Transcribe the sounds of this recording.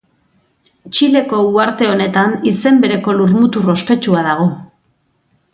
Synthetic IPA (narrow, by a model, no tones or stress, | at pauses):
t͡ʃile̞ko̞uaɾt̪e̞o̞ne̞t̪anise̞mbe̞ɾe̞ko̞luɾmut̪uro̞ske̞t͡ʃuaðaɣ̞o̞